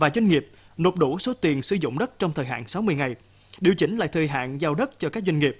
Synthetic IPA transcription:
vaː˨˩zwa˧ŋ̟ŋi˨˩əp̚ | no˨˩p̚ɗu˧˩so˨˦t̪i˨˩ənsɨ˧zʊ̰˧˨ŋ͡mɗə˦˥t̚t͡ɕɔ˧wŋ͡mt̪ʰəː˨˩jɦa̰ː˧˨nsa˨˦wmɨ˧əjŋa˨˩j | ɗi˨˩əwt͡ɕï˨˦ŋ̟la̰ː˧˨jt̪ʰəː˨˩jɦa̰ː˧˨nzaː˧wɗə˦˥t̚t͡ɕɔ˧kaː˦˥k̚zwa˧ŋ̟ŋi˨˩p̚

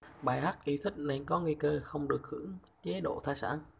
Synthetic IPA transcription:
ɓaː˨˩jɦaː˦˥t̚ʔi˧˥t̪ʰï˦˥k̟̚na˨˩jkɔ˨˦ŋi˧jkəː˧xə˧wŋ͡mɗɨ˨˩ək̚hɨ̰˧˥əŋ | t͡ɕe˨˦ɗo̰˧˨t̪ʰaː˧˩jsa̰ː˧˩˨n

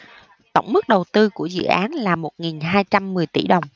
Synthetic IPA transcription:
t̪ə̰˧˩wŋ͡mmɨ˦˥k̚ɗə˨˩wt̪ɨ˧ku˧˩əzɨ̰˧˨ʔaː˨˦nlaː˨˩mo˨˩t̚ŋi˨˩nɦaː˧jt͡ɕa˧mːɨ˨˩əjt̪i˧˩ɗə˨˩wŋ͡m

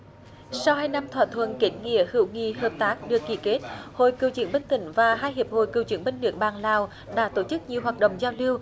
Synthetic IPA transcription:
sa˧whaː˧jna˧mt̪ʰwaː˧˥t̪ʰwə̰˧˨nki˨˩ŋ̟ŋḭ˧˨əhɨ̰˧˩˦wŋḭ˧˨həː˨˩p̚t̪aː˦˥k̚ɗɨ˨˩əkːi˧˩ke˦˥t̚ho̰˧˨jkɨ˨˩wt͡ɕḭ˨˧˩ŋɓə˧nt̪ï˧˩ŋ̟vaː˨˩ɦaː˧jɦi˨˩əp̚ho̰˧˨jkɨ˨əwt͡ɕwḭ˨˧˦əŋɓe˧nːɨ̰˧˥ək̚ɓaː˨˩ŋlaː˨˩w | ɗa̰ː˧˥t̪o˧˩t͡ɕɨ˦˥k̚ɲi˨˩əwɦaː˨˩t̚ɗə̰˧˨ŋ͡mzaː˧wli˧əw

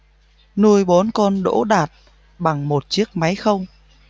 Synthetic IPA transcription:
nu˧əjɓo˨˦nkɔ˧nɗo̰˧˥ɗaː˨˩t̚ | ɓa˨˩ŋmo˨˩t̚t͡ɕi˦˥ək̚ma˨˦jxə˧wŋ͡m

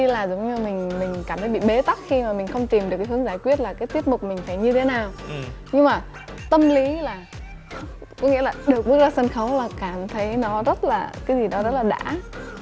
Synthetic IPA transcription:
i˧laː˨˩zə˨˦wŋ͡mɲɨ˧mï˨˩ŋ̟mï˨˩ŋ̟kaː˧˩mt̪ʰə˨˦jɓḭ˧˨ɓe˨˦t̪a˦˥k̚xi˧maː˨˩mï˨˩ŋ̟xə˧wŋ͡mt̪i˨˩mɗɨ˨˩kːa˨˦ɦəŋzaː˧˩jkwi˦˥ət̚laː˨˩kaː˨˦jt̪i˦˥t̚mʊ˨˩k͡p̚mï˨˩ŋ̟faː˧˩jɲɨ˧t̪ʰe˨˦naː˨˩wɲɨ˧ŋmaː˨˩ | t̪ə˧mli˨˦laː˨˩ | kɔ˨˦ŋḭ˧˥əlaː˨˩ɗɨ˨˩ək̚ɓɨ˦˥əzaː˧sə˧nxə˨˦wlaː˨˩kaː˧˩mt̪ʰə˨˦jnɔ˨˦zə˦˥t̚laː˨˩kaː˨˦jzi˨˩ɗɔ˨˦zə˦˥t̚laː˨˩ɗa̰ː˧˥

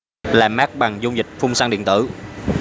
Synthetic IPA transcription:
laː˨˩maː˦˥k̚ɓa˨˩ŋzʊ˧ŋ͡mzï˨˩k̟̚fʊ˧wŋ͡msaː˧nɗḭ˧˨ənt̪ɨ̰˧˩˦

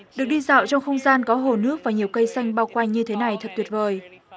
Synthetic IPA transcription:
ɗɨ˨˩ək̚ɗi˧za̰ː˧˨wt͡ɕɔ˧wŋ͡mxə˧wŋ͡mzaː˧nkɔ˨˦ɦo˨˩nɨ˦˥ək̚vaː˨˩ɲi˨˩əwkə˧jsa˧jŋ̟ɓaː˧wkwa˧ŋ̟ɲɨ˧t̪ʰe˨˦na˨˩jt̪ʰə˨˩t̪ʰwət̚vəː˨˩j

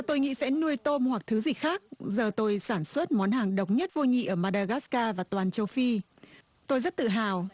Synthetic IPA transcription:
t̪o˧jŋḭ˧˥sɛ̰˧˥nu˧əjt̪o˧mhwa˨˩k̚t̪ʰɨ˨˦zï˨˩k̚xaː˦˥k̚zəː˨˩t̪o˧jsaː˧˩nswə˦˥t̚mɔ˨˦nɦaː˨˩ŋɗə˨˩wk͡p̚ɲə˦˥t̚vo˧jɲḭ˧˨ʔəː˧˩maː˧ɗaː˧ɣaː˦˥skaː˧vaː˨˩t̪waː˨˩nt͡ɕə˧wfi˧ | t̪o˧jzə˦˥t̚t̪ɨ̰˧˨ɦaː˨˩w

